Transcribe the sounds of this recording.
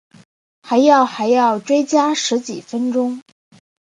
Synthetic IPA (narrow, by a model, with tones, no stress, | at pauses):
xa˧˥ɪjɑ˥˩ʊxa˧˥ɪjɑ˥˩ʊʈ͡ʂwe˥ɪt͡ɕja˥ʂɻ̩˧˥t͡ɕi˨˩fə˥nʈ͡ʂʊ˥ŋ